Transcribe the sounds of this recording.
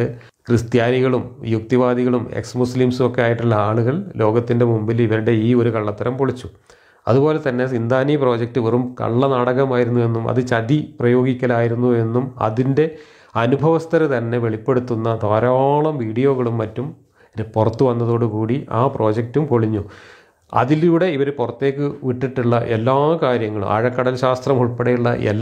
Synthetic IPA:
ɨ | krɨst̪jaːniɣɐɭumjuk̚t̪iʋaːðiɣɐɭumḛksmusliːmsuo̞kːejaːjiʈːuɭːɐaːɭuɣɐɭlo̞ːɡɐt̪ːinde̞mumbiliʋɐɾuɽe̞iːo̞ɾukɐɭːɐt̪ːɐɾɐmpoɭit͡ɕːu | ɐ̰ðubo̞ːle̞t̪ɐnːe̞sind̪aːniːpro̞ːd͡ʑek̚tːɨʋerumkɐ̰ɭːɐnaːɽɐɣɐmaːjiɾunːue̞nːumʔɐ̰ðɨt͡ɕɐðiprɐjo̞ːɡikʲːɐlaːjiɾunːue̞nːumɐ̰ðinde̞ | ɐnubʱɐʋɐst̪ɐɾɐt̪ɐnːe̞ʋe̞ɭipːe̞ɽut̪ːunːɐd̪ʱaːɾoːɭɐmʋiːɽijo̞ːɣɐɭumːɐtːum | purɐt̪ːuʋɐnːɐðo̞ːɽɨkuːɽiʔaːpro̞ːd͡ʑek̚tumpoɭiɲːu | ɐ̰ðiluːɽe̞iʋɐɾpurɐt̪ːe̞ːkːɨʋiʈːiʈːiɭːɐʔe̞lːaːkaːɾjɐŋːɐɭṵmʔɐ̰ɻɐkːɐɽɐlɕaːst̪rɐmuɻpeɽejuɭːɐ̰ʔḛlː

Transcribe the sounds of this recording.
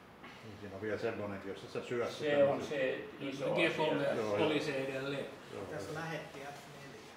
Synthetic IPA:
niːsiːnoʋiælsemːoneet̪jossit̪sesyæssieonseisoikolːeooliseidelːe | jo̰t̪æslæhet̪ːiæt̪nel

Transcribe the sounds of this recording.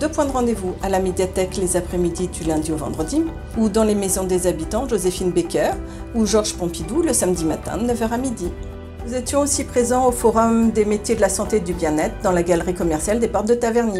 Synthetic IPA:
d̪øpwɛ̃d̪əʁɑ̃d̪evualamed̪jat̪ɛklezapχɛmid̪id̪ylɛ̃d̪iovɑ̰̃d̪ʁəd̪i | ud̪ɑ̃lemezɔ̃d̪ezabit̪ɑ̃ʒozefinbekʲœʁ | uʒɔʁʒ̥pɔ̃pid̪uləsamd̪imat̪ɛ̰̃d̪ənəvœʁamid̪i | nuzɛt̪jɔ̃osipχezɑ̃ofɔʁɔmd̪emet̪jed̪əlasɑ̃t̪ed̪ybjɛ̃nɛt̪χd̪ɑ̃laɡalʁikɔmɛʁsjald̪epɔʁt̪d̪ət̪avɛʁni

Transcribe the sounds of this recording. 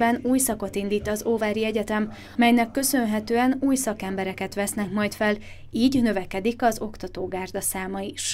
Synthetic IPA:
bɛnuːjsɒko̞t̪ind̪iːt̪ɒzoːvaːɾiɛɟɛt̪ɛm | mɛjnɛkːø̞sø̞nɦɛt̪øːɛnuːjsɒkɛmbɛɾɛkɛt̪ʋɛsnɛkmɒjt̪fɛl | iːɟnø̞vɛkɛd̪ikɒzo̞kt̪ɒt̪oːɡaːrd̪ɒsaːmɒiʃ

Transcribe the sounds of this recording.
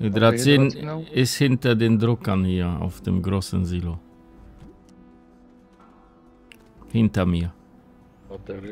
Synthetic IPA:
ed̪ɾat͡sɪnɪshɪntɐdeːndɾʊkɐnhiːɐa̰ʊfd̥ḛmɡɾoːsənziːlo | hɪntɐmiːɐ

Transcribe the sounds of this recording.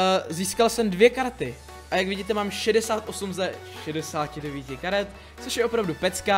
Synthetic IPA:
ziːskalsɛmdvjɛkaɾt̪ɪ | ʔajakvɪɟiːt̪ɛmaːmʃɛdɛsaːt̪ʔo̞sumzɛʃɛdɛsaːcɪdɛviːcɪkaɾɛt̪̚ | t͡soʃjɛʔo̞pɾavdupɛt͡skaː

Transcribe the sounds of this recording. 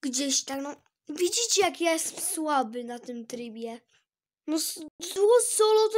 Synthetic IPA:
ɡ̥d͡ʑeɕt̪aknɔ | vʲid͡ʑit͡ɕɛjakjajɛst̪ɛ̥mswabɘnat̪ɘmt̪ɾɘbʲjɛ | nɔszwɔsɔlɔt̪

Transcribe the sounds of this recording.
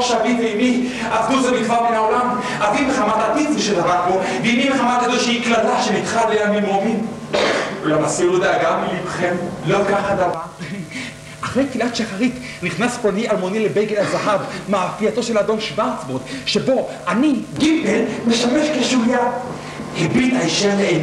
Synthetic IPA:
ʃaviveimi | avduzemifabenaolam | avimeχamat̪apiziʃed̪avaʁboveimimeχamat̪ad̪olʃeiklalaʃenit̪χalleamimomin | lamasiʁlod̪aaɡamilimχemlokaχad̪ava | ʔaχʁejt̪filat̪ʃaχaʁit̪ | niχnasponialmonilebejɡelazaħadmaːfiat̪o̞ʃelad̪o̞mʃvaʁt͡sbod̪ʃebo̞ʔaniɡibelmeʃameʃkeʃuhja | hebit̪aiʃeleen

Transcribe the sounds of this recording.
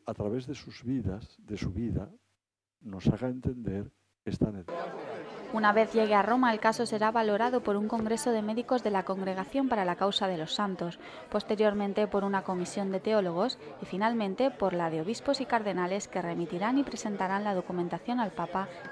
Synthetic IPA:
at̪ɾaβe̞zðesuzβiðasðe̞suβiða | no̞saɣaent̪e̞nd̪e̞ɾ | kest̪anen | unaβe̞θʝe̞ɣ̞earo̞mae̞lkaso̞se̞ɾaβalo̞ɾaðo̞po̞ɾuŋko̞ŋɡɾe̞so̞ðe̞me̞ðiko̞zðe̞lako̞ŋɡɾe̞ɣ̞aθjo̞mpaɾalakawsað̞e̞lo̞sːant̪o̞s | po̞st̪e̞ɾjo̞ɾmẽ̞nt̪e̞po̞ɾunako̞misjo̞nd̪e̞t̪e̞o̞lo̞ɣ̞o̞s | ifinalmẽnt̪e̞po̞ɾlaðe̞o̞β̞ispo̞sikaɾðe̞nale̞ske̞re̞mit̪iɾanipɾe̞se̞nt̪aɾanlað̞o̞kumẽnt̪aθjo̞nalpapa

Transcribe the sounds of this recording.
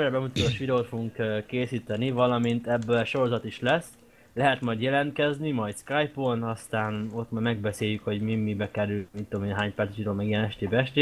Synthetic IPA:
ɾɛbɛmut̪ɒt̪oʃʋid̪ɛot̪foɡuŋkkeːsiːt̪ɛnivɒlɒmint̪ɛbːølʃo̞ɾo̞zɒt̪iʃlɛs | lɛɦɛt̪mɒjd̪jɛlɛnt̪kɛznimɒjt̪skajponɒst̪aːno̞t̪mamɛɡbɛseːjykho̞ɟmimːibɛkɛɾylmit̪t̪ːomenɦaːɲpɛɾrt̪ɛ̥ʃid̪ɛoːmɛɡijɛnɛʃt̪eːbɛʃt̪eː

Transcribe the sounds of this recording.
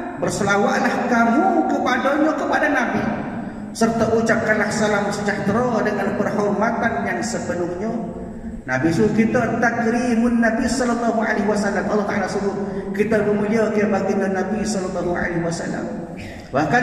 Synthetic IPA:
bərsəlawaʔlahkamukəpadaɲokəpadanabḭ | sərt̪aʔut͡ʃap̚kːanlahsalamsəd͡ʒaht̪ɾodəŋanpərɦɔrmat̪anjaŋsəpənʊŋɲə | nabisukit̪at̪akɾimʊnːabisɔlɔlːɔɦuʕa̰leɦwasalːamʔɑlːɑht̪aʔalasəbʊt̪̚kit̪aməmuliakəabaɡiŋanːabisɔlɔlːɑɦua̰leɦwasa̰lːa̰m | bahka

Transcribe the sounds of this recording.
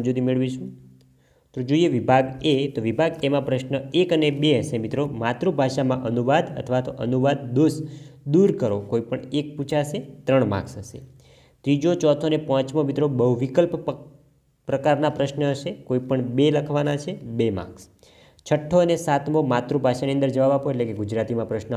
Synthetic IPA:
d͡ʒod̪imeɭʋiʃũ | t̪od͡ʒoieʋibʱaɡet̪oʋibʱaɡemãpɾəʃnəekənebeəʃemit̪ɾomat̪ɾubʱaʃamãʔənuʋad̪ə̰t̪ʰəʋat̪oʔənuʋad̪̚ːosd̪uɾkəɾokoipəɳek̚put͡ʃʰaəʃet̪ɾəɳmã̰ksəʃḛ | t̪ɾid͡ʒot͡ʃɔt̪ʰoənepɔ̃t͡ʃmõmit̪ɾobəɦʋikəlp | pɾəkaɾnapɾəʃnəəʃekoipəɳbeləkʰʋanat͡ʃʰebemã̰ks | t͡ʃʰəʈʰːoənesat̪mõmat̪ɾubʱaʃaniənd̪əɾd͡ʒəʋaʋapoetlekeɡud͡ʒɾat̪imãpɾəʃnə

